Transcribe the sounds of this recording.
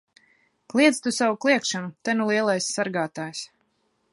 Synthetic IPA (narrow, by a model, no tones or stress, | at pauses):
klˠiɛst̪usawuklˠiɛkʃanut̪ɛnulˠiɛlˠajsːaɾɡaːt̪aːjs